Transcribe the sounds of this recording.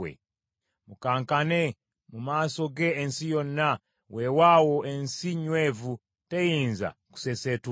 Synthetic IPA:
ḛ | mukaŋkane | mumasoɡeːnsijonːa | wʔewawoʔensiɲwevu | tejinza̰ku̥seset

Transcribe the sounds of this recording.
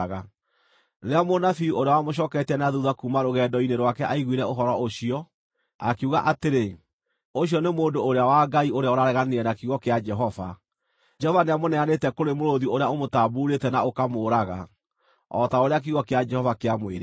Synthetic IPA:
ɣa | ɾeamonafioɾeawamoɕ̬ɔːkɛtɛnaðuðakumaɾoɣɛːdɔineɾwakɛʔaiɣwiɾɛoɦɔɾɔoɕiɔ | akeuɣaʔateɾe | oɕjɔnemoːndoːɾeawaɡaioɾeaoɾaɾɛɣaneɛnakiɣɔkead͡ʒɛɦɔva̰ | d͡ʒɛhɔvaneamonɛanetɛkoɾemoɾoðioɾeaomotaːbuːɾetɛnaokamoːɾaɣa̰ | ɔtaoɾeak̬iɣɔkead͡ʒɛhɔvakeamweɾe

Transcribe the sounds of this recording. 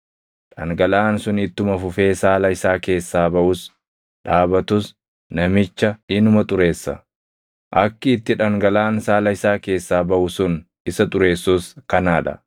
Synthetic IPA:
ᶑɐŋɡɐlaːnsʊnɪt̪ːʊmɐfʊfe̞ːsaːlɐɪsaːke̞ːsːaːbɐʔʊs | ᶑaːbɐt̪ʊs | nɐmɪt͡ʃːɐɪnʊmɐt̪ʼʊɾe̞ːsːɐ̰ | ʔɐkːɪːt̪ːɪᶑɐŋɡɐlaːnsaːlɐɪsaːke̞ːsːaːbɐʔʊsʊn | ɪsɐt̪ʼʊɾe̞ːsːuskɐnaːᶑɐ̰

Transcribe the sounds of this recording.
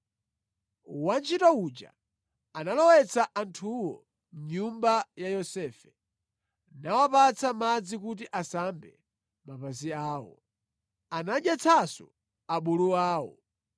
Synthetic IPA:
want͡ʃʰitaud͡ʒa̰ | analɔwɛt͡saʔantʰuwɔ | m̩ɲumbajajɔsɛːfɛ̥ | nawapat͡sʰamad͡zikut̬iʔasambɛ̰ | mapaziaːwɔ̰ | anaɗjat͡sʰasu | aɓuluaːwɔ̰

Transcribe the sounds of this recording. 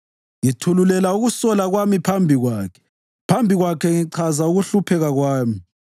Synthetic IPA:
ŋitʰululɛlauɣusɔlaɣwamipʰambʱiɣwaːkʰɛ̥ | pʰambʱiɣwakʰɛŋiǀʰazauɣuɬupʰɛɣaɣwaːmi

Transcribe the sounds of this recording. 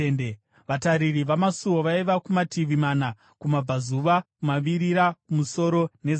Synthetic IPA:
nde | ʋataɾiriʋamasuwoʋaiʋakumatʰiʋimaːna | kumab͡vazuʋakumaʋiɾiɾakumuso̞ɾo̞ne̞z

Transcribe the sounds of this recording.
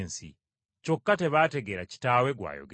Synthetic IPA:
nsḭ | co̞kːate̞βaːte̞ɡeɾaci̥taːwe̞ɡwa̰jo̰ɡ

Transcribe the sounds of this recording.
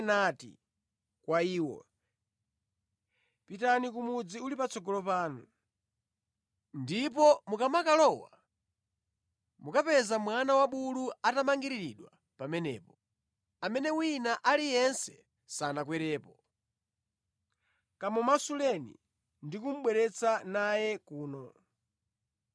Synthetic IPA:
natḭ | kwaiːwɔ̰ | pitanikumud͡ziulipat͡sɔɡɔlɔpaːnu | ndip̬ɔmukamakalɔwa | mukapɛzamwanawaɓuluatamaŋɡiɾiɾiɗwa | pamɛnɛ̰ːpɔ | amɛnɛwinaʔalijɛnsɛ̰ | sanakwɛɾɛːpɔ | kamɔmasulɛnḭ | ndikum̩ɓwɛɾɛt͡sanajɛkuːnɔ

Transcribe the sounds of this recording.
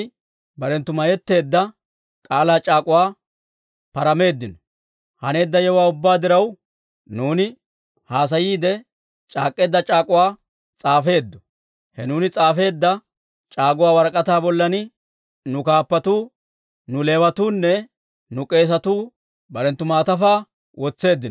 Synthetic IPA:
bɐɾɛnt̪ːʊmɐjɛt̪ːe̞ːd̪ːɐ | kʼaːlaːt͡ʃʼaːkʼʊwaː | pɐɾɐme̞ːd̪ːɪnɔ | hɐne̞ːd̪ːɐjɛwaːʊbːaːd̪ɪɾɐw | nuːnɪ | haːs̬ɐjiːd̪ɛ | t͡ʃʼaːkʼːe̞ːd̪ːɐt͡ʃʼaːkʼʊwaː | t͡sʼaːfe̞ːd̪ːɔ̥ | hɛnuːnɪt͡sʼaːfe̞ːd̪ːɐ | t͡ʃʼaːɡʊwaːwɐɾkʼɐt̪aːbɔlːɐnɪ | nʊkaːpːɐt̪uː | nʊle̞ːwɐt̪uːnːɛ | nʊkʼe̞ːs̬ɐt̪uː | bɐɾɛnt̪ːʊmaːt̪ɐfaː | wʔɔt͡sːe̞ːd̪ːɪn

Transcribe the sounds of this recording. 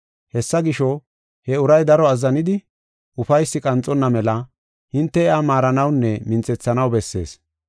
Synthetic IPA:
hɛsːɐɡɪʃɔ | hɛʊɾɐjd̪ɐɾɔɐzːɐnɪd̪ɪ | ʔʊfɐjsːɪkʼɐnt͡sʼːɔnːɐmɛlɐ | hɪnt̪ːɛɛamaːɾɐnɐwnːɛmɪnt͡sʼɛt͡sːɐnɐwbɛsːe̞̰ːs

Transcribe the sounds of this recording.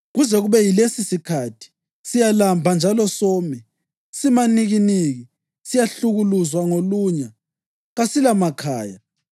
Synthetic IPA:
ɣuzɛɣuβɛjilesisikʰatʰi̥ | sijalambʱand͡ʒʱalɔsɔːmɛ | simaniɣiniɣi | sijaɬuɣuluzwaŋoluɲa | ɣasilamakʰaːja

